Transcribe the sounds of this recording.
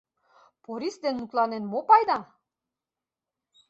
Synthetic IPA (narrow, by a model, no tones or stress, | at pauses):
poɾisd̪enːut̪lɑnenmopɑjd̪ɑ